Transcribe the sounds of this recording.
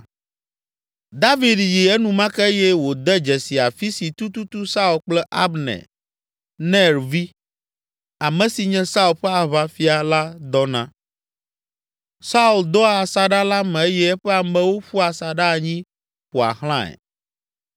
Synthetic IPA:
d̪a˦vi˨d̪ji˨ɛ˦nũ˨mã˦kɛ˦jɛ˦wo˨d̪ɛ˦d͡ʒɛ˨si˨a˨fi˦si˨t̪u˦t̪u˦t̪u˦sa˦u˨lk͡plɛ˦ʔa˦bnɛ̰˨ | nɛ̃˦ɾvi˦ | a˨mɛ̃˨si˨ɲɛ̃˦sa˦u˨lɸɛ˦a˨βa˦fi˦a˨la˦d̪ɔ˦nã˦ | sa˦u˦˨ld̪ɔ˦a˨sa˨ɖa˦la˦mɛ̃˨e˦jɛ˦ɛ˦ɸɛ˦a˨mɛ̃˦wo˦ɸu˦a˨sa˨ɖa˦˨ɲĩ˦ | ɸu˨a̰˨hl̃ã˦ɛ̰˨

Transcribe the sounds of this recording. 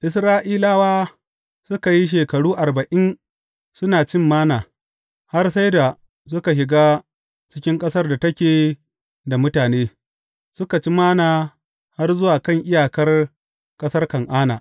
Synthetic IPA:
ʔɪ˨sɾaː˦ʔiː˦laː˦waː˦ | sʊ˦ka˨ji˦ʃ̬eː˨kɐ˨ɽuː˦ʔa˨rbɐ˨ʔɪ˦n | sʊ˦naː˨t͡ʃɪ˦˨mːaː˦naː˨ | ha˦rsa˦jda˨ | s̬ʊ˦ka˨ʃ̬ɪ˨ɡaː˦ | t͡ʃɪ˦kʲɪ˦ŋkʼɐ˦sɐ˦rda˨tɐ˦kʲeː˨ | da˨mʊ˦taː˨neː˦ | sʊ˦ka˨t͡ʃi˦maː˦naː˨ | ha˦rzʊ˦waː˨kɐ˦˨ŋʔɪ˦jaː˨kɐ˦r | kʼɐ˦sɐ˦rkɐ˨ŋʔaː˦na̰ː˨

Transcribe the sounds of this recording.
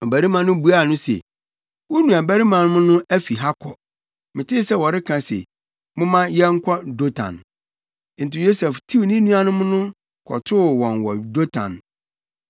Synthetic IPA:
ɔ˨bæ˨ɾi˦mã˨nʊ̃˦bu˨˦a˦˨nʊ̃˦sɛ̰˨ | wɔ˦nũ˨a˨bæ˦ɾi˦mã˨nʊ̃˦mʊ̃˦nʊ̃˦æ˦fi˨ɦa˦kʰɔ˨ | mɪ̃˨tɪ˦sɛ˦wɔ˨ɾɪ˦kʰã˨sɛ̰˨ | mʊ̃˦mã˦jɛ˦ŋ̩˦kʰʷɔ˦do˦tʰã̰˨n | n̩˨tɪ˨jo˦sɛ˨ftʰi˦wnĩ˦nũ˦a˦nʊ̃˦mʊ̃˦nʊ̃˦ | kʰɔ̰˨tʰʊ˦˨wɔ̃˨nwɔ˨do˦tʰã̰˨n

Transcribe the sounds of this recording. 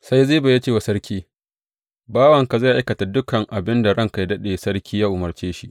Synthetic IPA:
sa˦jzeː˦ba˨ja˦t͡ʃeː˦˨wa˨sɐ˦ɾkʲiː˦ | baː˦wɐ˨ŋka˨za˦˨ʔa˦jkɐ˨ta˨dʊ˦kɐ˨ŋʔa˨bɪ˦nda˨ɽɐ˦˨ŋka˨jdɐ˦ɗeː˨sɐ˦ɾkʲiː˦jaː˦ʔʊ˨mɐ˨rt͡ʃeː˦ʃi˦ʔ

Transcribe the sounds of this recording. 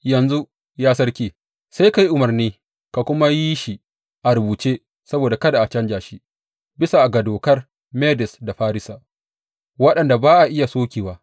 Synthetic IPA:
jɐ˨nzu˦ | jaː˦sɐ˦rkʲiː˦˨ | sa˦jka˨ji˦ʔʊ˨mɐ˨rniː˦ | ka˨kʷʊ˦ma˦ji˦ʃi˨ | ʔa˨ɾʊ˨buː˨t͡ʃeː˦ | sɐ˦boː˨da˨kɐ˦da˨ʔa˨t͡ʃɐ˦nd͡ʒaː˨ʃi˦ | bɪ˦sa˨ʔa˨ɡɐ˨doː˨kɐ˦r | meː˦dɪ˨sda˨ɸaː˦ɾɪ˦saː˨ | wɐ˦ɗɐ˨nda˨baː˦ʔa˨ʔɪ˦ja˨soː˦kʲiː˨waː˦

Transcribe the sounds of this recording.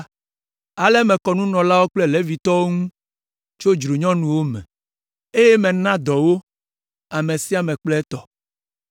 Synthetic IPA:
a˨lɛ˦mɛ̃˨kɔ˨nũ˦nɔ̃˨la˦wo˦k͡ple˦le˦vi˨t̪ɔ˦wo˦ŋũ˦ | t͡ʃo˦d͡ʒɾu˨ɲɔ̃˦nũ˨wo˦mɛ̰̃˨ | e˦je˦mɛ̃˨nã˦d̪ɔ˨wo˦ | a˨mẽ˨si˦a˨mɛ̃˨k͡plɛ˦ɛ˦t̪ɔ˨

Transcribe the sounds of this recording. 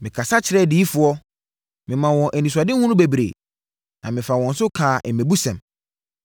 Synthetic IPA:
mɪ̃˨kʰa˨sa˦t͡ɕʰɪ˨ɾɛ˦˨di˦fʊ˨ɔ˦ | mɪ̃˨mã˨wɔ̃˨ʔæ˨nĩ˨s̬a˨dɪ˦hũ˦nʊ̃˦be˨bɾḛː˨ | nã˨mɪ̃˨fa˨wɔ̃˨n̩˦sʊ˦kʰaː˨ʔɛ˨mẽ˨bu˦sɛ̃˨m

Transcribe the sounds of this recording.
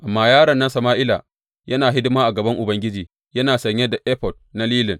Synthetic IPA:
ʔa˨mːaː˦jaː˦ɾɐ˨nːɐ˦nsɐ˨maː˦ʔɪ˦la̰ː˨ | jɐ˦naː˨ɦɪ˦dɪ˦maː˦ʔa˨ɡɐ˨bɐ˦ŋʔʊ˨bɐ˦ŋɡʲɪ˦d͡ʒiː˨ | jɐ˦naː˨sɐ˨ɲjɛ˦da˨ʔɛ˦pɔ˨d̚ | na˦liː˦lɪ˨n

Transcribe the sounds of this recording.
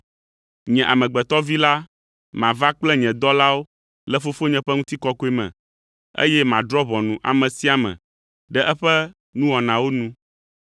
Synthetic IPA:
ɲɛ̃˨ʔa˨mɛ̃˨ɡ͡bɛ˨t̪ɔ˦vi˦la˦ | mã˨va˦k͡plɛ˦ɲɛ̃˨d̪ɔ˦la˦wo˦ | lɛ˦fo˦fo˦ɲɛ̃˨ɸɛ˦ŋũ˦t̪i˦kɔ˦ko˦e˦mɛ̰̃˨ | ḛ˦jɛ˦mã˨d̪ɾɔ˦βɔ˨nũ˨ʔa̰˨mɛ̃˨si˦a˨mɛ̰̃˨ | ɖɛ˦ʔɛ˦ɸɛ˦ | nũ˦wɔ˨nã˨wo˦nũ˦

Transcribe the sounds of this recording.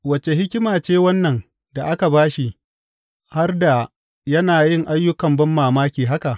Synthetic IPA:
wɐ˨t͡ʃe˨ɦɪ˦kʲɪ˦maː˨t͡ʃeː˦wɐ˦nːɐ˨ŋ | da˨ʔa˦ka˨baː˦ʃi˨ | ha˦rda˨ | jɐ˦naː˨jɪ˦˨ŋʔa˦jːʊ˦kɐ˨mbɐ˦mːaː˨maː˦kʲiː˨ɦa˦ka˨ʔ

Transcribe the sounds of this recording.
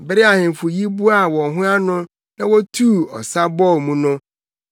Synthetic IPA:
bɪ˦ɾɪ˦a˨hɪ̃˨m˨fʊ˨ji˦bu˦a˨wɔ̃˨ɦʊ̃˦a˦nʊ̃˦ | nã˦wɔ˦tʰuː˦˨ɔ̰˨sa˦bɔ˦˨mũ˦nʊ̃˦

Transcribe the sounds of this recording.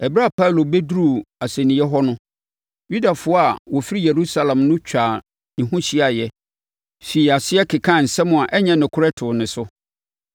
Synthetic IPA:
ɛ˨bɾa˦˨pʰa˦u˨lo˨be˦dɾu˦˨a˨sɛ̃˨nɪ̃˨jɛ˦ɦɔ˦nʊ̃˦ | ju˦da˨fʊ˦ɔ˦a˨wɔ˨fi˦ɾi˦je˨ɾu˦sa˦lã˨mnʊ̃˦t͡ɕᶣaː˨ | nɪ̃˨ɦʊ̃˦ɕi˦a˨jɛ˦ | fi˨a˨sɪ˦ɛ˦kʰɪ˨kʰã˦˨n̩˨sɛ˦mʊ̃˨a˨ʔɛ˦ɲɛ̃˦nɪ̃˨kʰʊ˦ɾɛ˦tʰʊ˨nɪ̃˨sʊ˦

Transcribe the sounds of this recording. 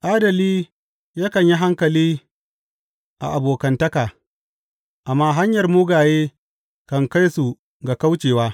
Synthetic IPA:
ʔaː˦dɐ˨liː˦ | ja˦kɐ˨ɲji˦ɦa˦ŋkɐ˨liː˦ | ʔa̰˨ʔa˨boː˨kɐ˨ntɐ˦kaː˨ | ʔa˨mːaː˦ɦa˦ɲjɐ˨rmʊː˦ɡaː˨jeː˦ | kɐ˨ŋka˦jsu˨ | ɡa˨ka˦wt͡ʃeː˨waː˦

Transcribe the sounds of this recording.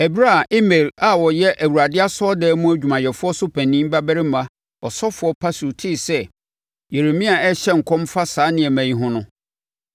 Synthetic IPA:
ɛ˨bɾa˦˨ʔɪ˦me˨la˨wɔ˨jɛ˦ʔæ˨wu˨ɾa˨dɪ˦a˦sɔ˦dɛː˦mũ˦æ˨d͡ʑᶣu˨mã˨jɛ˨fʊ˦ɔ˦sʊ˦pʰæ̃˨nĩ˦m˦ba˦bæ˦ɾɪ˦mã˨ | ɔ˨sɔ˦fʊ˨˦ɔ˦pʰa˦su˨tʰɪ˦sɛ˦ | je˨ɾe˨mĩ˦a˨ɛ˦ɕɛ˦ŋ̩˨kʰɔ̃˦mfa˦saː˨˦nɪ̃˨ɛ˨mæ̃˨jĩ˦ɦʊ̃˦nʊ̃˦

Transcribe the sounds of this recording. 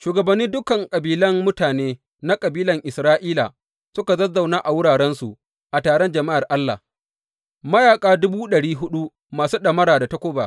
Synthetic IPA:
ʃuː˨ɡɐ˨bɐ˨nːiː˦dʊ˦kɐ˨ŋkʼɐ˨biː˦lɐ˦mmʊ˦taː˨neː˦ | na˦kʼɐ˨biː˦lɐ˨ŋʔɪ˨sɾaː˦ʔiː˦la̰˨ | sʊ˦ka˨zɐ˦za˨wnaː˦ʔa˨wʊ˦ɽaː˨ɽɛ˦nsu˨ | ʔa˨taː˨ɽɔ˦nd͡ʒɐ˨ma˦ʔa˨rʔa˦lːa̰˨ | mɐ˦jaː˨kʼaː˦dʊ˦buː˦ɗɐ˨ɽiː˦ɦʊ˦ɗu˦ | maː˨suː˦ɗɐ˨mɐ˦ɾaː˨da˨ta˦kʷoː˦ba̰ː˨

